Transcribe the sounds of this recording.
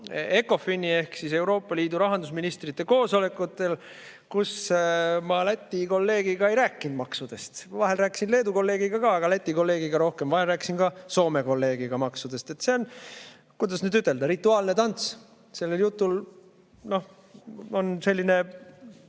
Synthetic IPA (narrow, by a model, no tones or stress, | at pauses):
e̞ko̞finie̞hksise̞wɾo̞ːpːˑɑliːd̪uɾɑɦɑnd̪usminist̪rit̪ːˑe̞ko̞ːso̞le̞kːˑut̪ːˑe̞l | kusmɑlæt̪ʲːˑiko̞lːe̞ːɡ̥iɡ̥ɑe̞jɾæːkːˑind̪̚mɑksud̪̥e̞st̪vɑɦe̞lræːkːˑi̥sinle̞ːd̪uko̞lːe̞ːɡ̥iɡ̥ɑkɑːɡ̥ɑlæt̪ʲːˑiko̞lːe̞ːɡ̥iɡ̥ɑɾo̞hke̞mvɑɦelræːki̥sinɡɑso̞ːme̞ko̞lːe̞ːɡ̥iɡ̥ɑmɑksud̪̥e̞st̪e̞t̪ːse̞o̞n | kujd̪ɑsnyːd̪yt̪ˑːe̞ld̪ɑɾit̪ˑːuɑːlnet̪ɑnt̪s | se̞lːeljut̪ːˑul | no̞h | o̞nse̞lʲːine̞